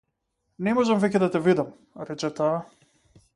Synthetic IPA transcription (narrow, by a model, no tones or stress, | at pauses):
nɛmɔʒamvɛcɛd̪at̪ɛvid̪am | ɾɛt͡ʃɛt̪aː